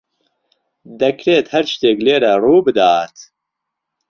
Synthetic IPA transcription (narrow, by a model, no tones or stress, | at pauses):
d̪ɛkʰɾeːt̪hɛɾt͡ʃt̪eːkleːɾɛruːbɨd̪aːt̪